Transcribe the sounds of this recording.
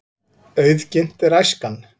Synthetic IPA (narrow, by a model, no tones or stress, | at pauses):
œːɥðcɪn̥t̪ɛɾajskan